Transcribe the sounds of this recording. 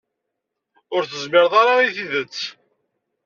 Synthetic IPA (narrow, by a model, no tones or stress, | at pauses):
ʊɾθəzmɪɾðˤaɾaiθiðət͡sː